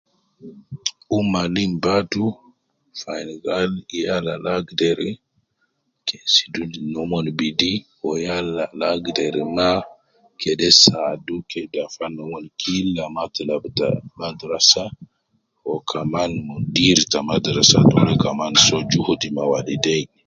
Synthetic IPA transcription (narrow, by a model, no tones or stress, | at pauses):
ʔumːalimbatu | fajnɡaljalalaɡdɛɾɛ | kesi̥dunnɔmɔnbidi | ɔjalalaɡdɛɾɛma | kʰɛdɛsadukɛdafanɔmɔnkʰilːamatalabta̰madɾasa | hɔkʰamanmɔndiɾtamadɾasa̰dɔɾɛkamansɔd͡ʒuhudimawalidɛj